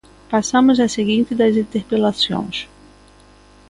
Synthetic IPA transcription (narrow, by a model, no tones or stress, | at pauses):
pasɐ̃mʊzɐseɡĩnt̪ɪd̪ɐzĩnt̪eɾpelasõ̰j̃s